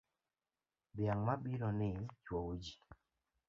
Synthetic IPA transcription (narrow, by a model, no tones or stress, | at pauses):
bjaŋmabiɾɔnɪt͡ʃwowod͡ʒi